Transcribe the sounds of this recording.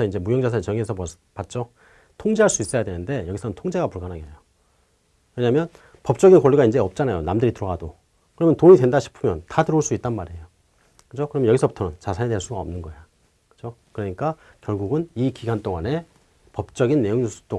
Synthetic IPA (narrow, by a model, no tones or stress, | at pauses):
ʌind͡ʑe̞mujʌŋd͡ʑasʰat͡ɕʌŋiesʰʌm | pat̚t͡ɕ͈o | tʰoŋd͡ʑeaɭs͈uis͈ʌjadwenɯnde̞jʌɡisʰʌɯntʰoŋd͡ʑe̞ɡapuɭɡanɦaɡejo | we̞ɲamjʌn | pʌp̚t͡ɕ͈ʌɡinkoɭːiɡaind͡ʑe̞ʌp̚t͡ɕ͈anajonamdɯɾitɯɾʌɡado | kɯɾʌmjʌntoɲidwe̞ndaɕʰi̥pʰɯmjʌntatɯɾoɭs͈uit̚t͈anmaɾiejo | kɯd͡ʑokɯɾʌmjnjʌɡisʰʌputʰʌnt͡ɕasʰaɲidwe̞ɭs͈uɡaʌ̰mnɯnɡʌejo | kɯ̥d͡ʑo | kɯɾʌɲik͈a | kjʌɭɡuɡɯnikiɡant͈oŋane̞ | pʌp̚t͡ɕ͈ʌɡinːe̞joŋɲus͈ʰu̥t͈o